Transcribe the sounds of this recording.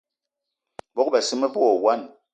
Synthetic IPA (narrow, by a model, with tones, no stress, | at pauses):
bɔ˦kbɛ˨si˦me˦pɔ˦ɔ˨wa˦˨n